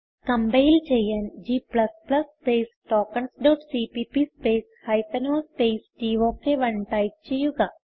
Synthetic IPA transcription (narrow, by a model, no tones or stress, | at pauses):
kɐmbeːld͡ʒejənd͡ʒiːplɐsplɐsːpeːsʈɔːkəɳsɖoːʈsiːpipispeːshaɪt̪ənoːspeːsʈiːʋokeʋɐɳʈaːɪt͡ʃijuɡaː